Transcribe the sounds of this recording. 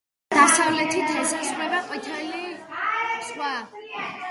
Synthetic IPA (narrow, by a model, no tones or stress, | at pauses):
d̪̥asavlɛt̪ʰit̪ʰɛsasɾlɛbɛqʼwit̪ʰɛli | sχwa